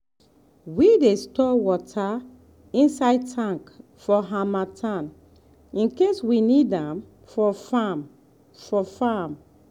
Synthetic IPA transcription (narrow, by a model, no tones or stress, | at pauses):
widestɔwɔtʰa | ĩnsaɪtʰãŋk | fɔɦamatʰãn | ĩnkeswinidãm | fɔfam | fɔfam